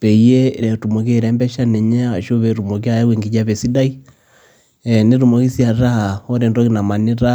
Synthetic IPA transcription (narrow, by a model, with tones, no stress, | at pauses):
pɛ˨i˨je˦˨ɾɛ˨tu˨mɔ˨k̬e˦˨ɾɛ˦mbɛ˦ʃa˦nɛ˨ɲa˦a˨ʃo˦βɛ˨ɾu˨mɔ˨ki˦a˨jɛ˦we˨ŋɡi˨d͡ʒa˦βɛ˨si˦da˦i˦ | ɛ˨ne˦ɾu˨mɔ˨ki˦sja˨ɾa˦a˨ɔ˦ɾe˨ndɔ˦ɣi˦na˨ma˨ne˦ɾa˦